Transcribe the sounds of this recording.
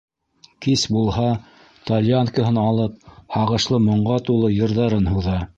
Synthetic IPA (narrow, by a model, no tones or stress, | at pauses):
kisbulˠhɑ | t̪ɐlʲjankə̆ɦɤnɑlˠɤp̚hɑʁɤ̆ʃlˠɤmŏɴʁɑt̪ulˠɤjɤ̆ɾðɑɾɤnhuðɑ